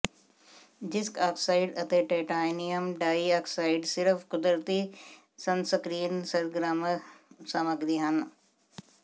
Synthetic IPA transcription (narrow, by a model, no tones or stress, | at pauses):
ɖɪskaːksaːɪɖɐt̪eʈeːʈaːjnijəmɖaːiaːksaːɪɖsɪɾfkʊd̪ɾət̪i | sɐnsɐkɾiːnsɐɾɡɾaːmsɐməkd̪iɦɐn